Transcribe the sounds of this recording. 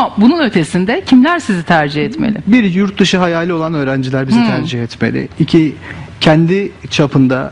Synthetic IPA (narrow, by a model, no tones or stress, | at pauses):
abununøt̪ʰe̞sind̪ɛcʰimlʲæɾsizit̪ʰæɾd͡ʒihɛt̪mḛlʲɪ̰biɾjuɾt̪̚d̪ɯʃɯɦajaːlʲio̞lˠanø̞ːɾænd͡ʒilʲæɾbizit̪ʰæɾd͡ʒihɛt̪melʲɪ̰icʰicʰɛnd̪it͡ʃʰapʰɯnd̪a̰